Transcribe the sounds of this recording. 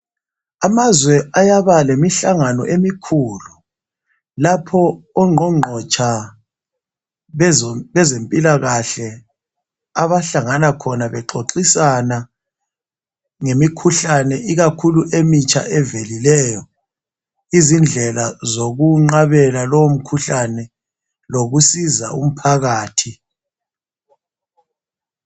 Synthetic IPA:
amazwɛajaβalemiɬaŋanɔ̰ʔemikʰulu | lapʰɔːŋ͡ǃɔŋ͡ǃʱɔt͡ʃʰʼa | βɛzempʼilaɣaɬɛ | aβaɬaŋanakʰɔnaβɛǃoǃisana | ŋemikʰuɬanɛʔiɣakʰuluʔemit͡ʃʼʰa̰ʔɛvelilɛːjɔ | izind͡ɮʱɛlazoɣuŋ͡ǃaβɛlalɔwom̩kʰuɬanɛ | loɣusiza̰ṵm̩pʰaɣaːtʰi

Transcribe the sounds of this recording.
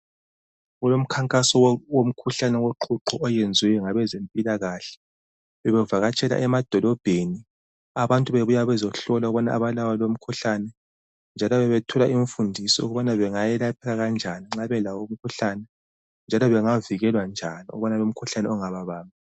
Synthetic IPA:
ɣulom̩kʰaŋkʼasɔwwom̩kʰuɬanɛɣoǃʰuǁɔʔɔjend͡zʱwɛjɔŋaβɛzempʼilaɣaɬɛ̥ | βɛβɛvaɣat͡ʃʼɛla̰ʔɛmad̥ʱɔlɔb̥ʱeni | aβantʼuβeβujaβɛzɔɬɔlauɣuβɔna̰ːβalawalom̩kʰuɬanɛ | nd͡ʒʱalɔβɛβɛtʰɔlaʔiɱfundʱisɔṵɣuβanaβɛŋajɛlapʰɛɣaɣand͡ʒʱaniŋ͡ǁaβɛlawom̩kʰuɬanɛ | nd͡ʒʱalɔβɛŋaviɣɛlwand͡ʒʱa̰niṵβanalom̩kʰuɬanɛɔŋaβaβaːma

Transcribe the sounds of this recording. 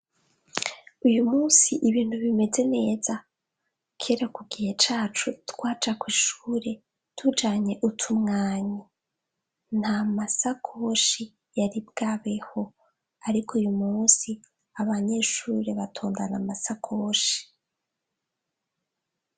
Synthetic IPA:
ujumuːsiʔiβiːn̥huβime̞ze̞ne̞ːza | kʰeɾakuɡihet͡ʃaːt͡ʃutwaːt͡ʃakwiːʃuːɾe̞ | tʰud͡ʒaːɲe̞ʔutʰumŋaːɲi | n̥hamasakʰo̞ʃi | jaɾibɡaβe̞ho̞ | aɾikʰujumuːnsi | aβaɲe̞ʃuːɾe̞βatʰo̞ːndanamasakʰo̞ːʃi̥

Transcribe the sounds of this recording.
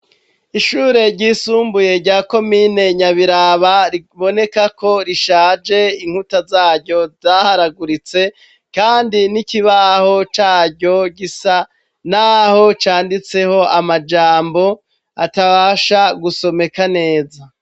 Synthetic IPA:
iʃuːɾe̞ɾɟiːsuːmbuje̞ɾɟaːko̞miːne̞ɲaβiɾaβaɾiβo̞ne̞kako̞ɾiʃaːd͡ʒe̞iŋ̥utazaːɾɟo̞zaːhaɾaɡuɾit͡se̞ | kaːndiniciβaho̞t͡ʃaːɟo̞ɟisa | naho̞t͡ʃaːndit͡se̞ho̞amad͡ʒaːmbo̞ | ataβaʃaɡuso̞me̞kane̞ːza

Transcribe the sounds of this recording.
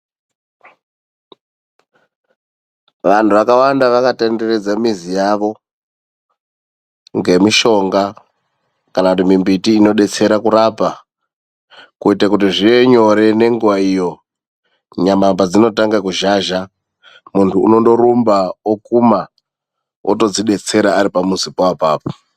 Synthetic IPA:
ʋantʰuʋakawandaʋakatende̞re̞d͡zamizijaʋo̞ | ŋɡe̞miʃo̞ŋɡa | kanakutimimbitiːno̞ɗe̞t͡se̞ɾakuɾapa | kuitakutiʐie̞ɲo̞ɾe̞ne̞ŋɡuʋaijo̞ | ɲamambad͡zino̞taŋɡakuʒaʒa | muntʰṵːno̞ndo̞ɾumbawokuma | ʔo̰to̞d͡ziɗe̞t͡se̞ɾaːɾipamuzipoapaːpo̥

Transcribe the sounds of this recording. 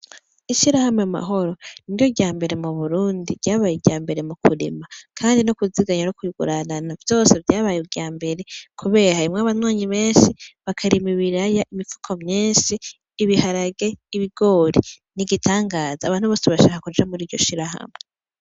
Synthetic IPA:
iʃiɾahameama̰ɦo̞ɾo̞niɾjo̞ɡɟaːmbe̞ɾe̞muβuɾuːndiɾɟaːβajeɾɟaːmbe̞ɾemukʰuɾḭmakʰaːndinokuziɡaɲanokuiɡṵɾananavjo̞ːse̞vjaːβajuɟaːmbe̞ɾe̞kʰuβe̞ːɾaimŋaβanwaːɲiβe̞ːnʃiβakʰaɾimiβiɾajaʔimifu̥kʰomɲiːnʃiː | βihaɾaɡe̞ːβiɡo̞ɾi | niɡitʰaːŋɡaːzaːβaːnhuβoːseβaʃaːkakud͡ʒamuɾiːɾɟo̞ʃiɾaha̰me

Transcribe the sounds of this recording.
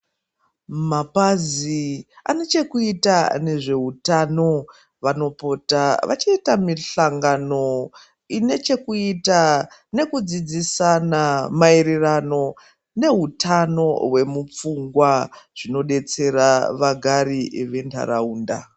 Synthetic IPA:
mapazia̰ne̞t͡ʃe̞kuitane̞ʐe̞utano̞ | ʋano̞po̞taʋa̰t͡ʃiitamiɬaŋɡano̞ | ine̞t͡ʃe̞kuitane̞kud͡zid͡zisanamairirano̞ | ne̞ɦutano̞we̞mup͡fuŋɡwaʐ̥ino̞ɗe̞t͡se̞raʋaɡʱaɾiʋe̞nta̰ɾauːnda̰

